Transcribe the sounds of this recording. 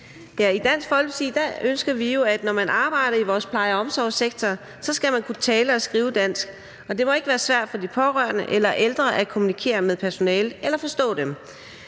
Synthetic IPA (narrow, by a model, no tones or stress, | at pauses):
d̥æɐid̥æn̰sɡ̥fɒ̽l̰ɡ̥sid̥æønsɡ̥ɐʋijo̝æd̥nɒmænɑ̈ːb̥ɑ̈ɪ̰ɾ̥ɐiʋɒːspʰlɑ̈ɪəɒ̽msɒʊ̰seɡ̥̚t͡sʰɒ | sɒ̽sɡ̥æmænkʰut͡sʰɛːləɒ̽sɡ̥ʁiːʊəd̥æn̰sɡ̥ | ɒ̽d̥e̝mɒ̽e̝ɡ̥əʋæːɐsʋæɐ̰d̥fɒ̽dipʰɒ̽ʁɶɐ̰nəʔelɐʔeld̥ʁɐʔækʰo̝munikʰe̝̰ːɐmeðˠpʰæɐso̝nɛːləelɐfɒ̽sd̥ɔ̰̽ːd̥em